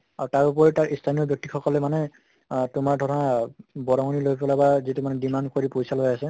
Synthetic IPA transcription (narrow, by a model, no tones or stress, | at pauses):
aɹutaɹup̬ɔɹitaɹʔistʰanijɔbjɔk̚tixɔkɔlɛmanɛ | tʊmaɹdʱɔɹɔnabɔɹɔŋɔnilojpɔlabazitumanɛdimandkoɹipojsalojasɛ